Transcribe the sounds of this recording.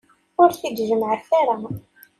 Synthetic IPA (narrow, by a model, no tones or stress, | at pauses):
ʊɾθid̪ʒəməʕθaɾa